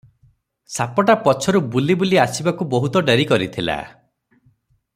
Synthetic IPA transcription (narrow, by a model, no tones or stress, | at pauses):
sapɔʈapɔt͡ʃʰɔɾubulibuliasibakubɔɦut̪ɔɖeɾikɔɾit̪ʰila̰